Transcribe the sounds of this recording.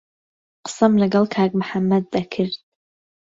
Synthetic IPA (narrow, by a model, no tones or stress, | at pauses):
qə̥sɐmlɨɡɐlˠkʰaːɡmħamːɐd̪̚ːɐkʰɨɾd̪̥̚